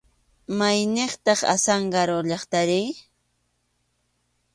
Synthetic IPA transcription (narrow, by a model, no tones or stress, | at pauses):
majneχt̪ɑχa̰saɴɢɑɾoʎɑχt̪aɾɪ